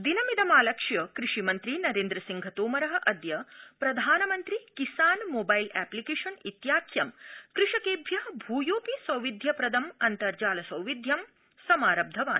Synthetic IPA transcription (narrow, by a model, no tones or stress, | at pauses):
d̪inɐmid̪ɐmaːlɐkʂjɐkɾɪʂimɐnt̪ɾinɐɾeːnd̪ɾɐsiŋɡʱɐt̪oːmɐɾɐɦɐ̆ʔɐd̪jɐpɾɐd̪ʱaːnɐmɐnt̪ɾikisaːnmoːbajlɛːplikeːʂɐnit̪jaːkʰjɐmkɾɨʂɐkeːbʱjɐbʱuːjoːpisʋɐ̃wʋid̪ʱjɐpɾɐd̪ʱɐmɐnt̪ɐɾd͡ʒaːlɐsɐwʋid̪ʱjɐm | sɐmaːɾɐb̚d̪ʱɐʋa̰ːn